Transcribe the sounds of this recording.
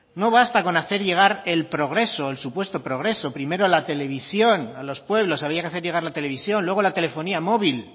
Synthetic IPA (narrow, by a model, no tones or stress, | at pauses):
no̞β̞ast̪ako̞naθe̞ɾʝe̞ɣ̞aɾe̞lpɾo̞ɣ̞ɾe̞soelsupwe̞st̪o̞pɾo̞ɣ̞ɾe̞so̞pɾime̞ɾolat̪e̞le̞βisjo̞nalo̞spwe̞βlo̞saβ̞ɾiakeaθeʝe̞ɣ̞aɾlat̪e̞le̞β̞isjo̞nlwe̞ɣo̞lat̪e̞le̞fo̞niamo̞βil